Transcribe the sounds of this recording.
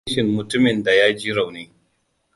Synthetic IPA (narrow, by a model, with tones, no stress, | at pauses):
ʃɪ˨mːʊ˨tʊ˦mɪ˨nda˨jaː˦d͡ʒiː˦ɾa˨wneː˦